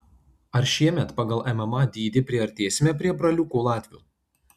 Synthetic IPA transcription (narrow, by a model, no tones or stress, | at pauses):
ɐɾʃʲiɛmʲɛt̪pɐɡɐlˠʔɛmɛmɐd̪ʲiːd̪ʲɪpʲɾʲiɛɐɾʲt̪ʲeːsʲmʲɛpʲɾʲiɛbɾɐlʲʊkuːlˠɑːt̪ʲʋʲṵː